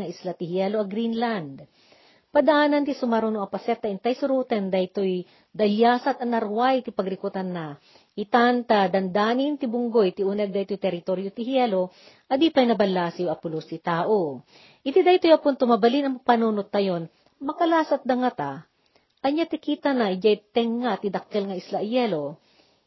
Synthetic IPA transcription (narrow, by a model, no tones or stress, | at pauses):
ɐʔɪslat̪ɪhjɛloʔɐɡɾinland̪ | pɐd̪ɐʔaːnɐnt̪ɪsʊmaɾonoɐpɐsɛt̪ːɐʔɪnt̪ajsʊɾuːt̪ɛnd̪ɐjt̪oj | d̪ɐljaːsɐt̪ɐnɐɾwajt̪ɪpɐɡɾɪkot̪ɐnːa | hɪt̪ant̪ɐd̪ɐnd̪aːnɪnt̪ɪbʊŋɡojt̪ɪʔunɛɡ̚d̪ajt̪ojt̪ɛɾɪt̪oɾjot̪ɪhjɛlo | ʔɐd̪iːpajnɐbɐlːaːsiwɐpʊlost̪ɪt̪aːʔo | ʔɪt̪id̪ajt̪ojɐpʊnt̪omɐbɐlinɐmpɐnunot̪̚ːɐjon | mɐkɐlaːsɐt̪̚d̪ɐŋat̪a | ʔɐɲat̪ɪkiːt̪anaɪd͡ʒajt̪ɛŋːat̪ɪd̪ɐkːɛlŋɐɪslaʔjɛlo